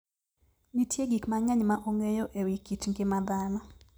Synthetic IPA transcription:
nitʰjeɡikmaŋɛɲmaʔoŋejoʔewikitŋɡɪmad̪anɔ

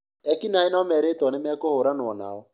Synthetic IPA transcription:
ɛkinaenɔmɛɾetɔnemɛkohoɾanɔna̰ɔ

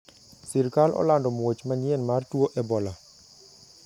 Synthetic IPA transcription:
siɾkalʔɔ̰landɔmwot͡ʃmaɲjɛnmartwoʔɛbɔla

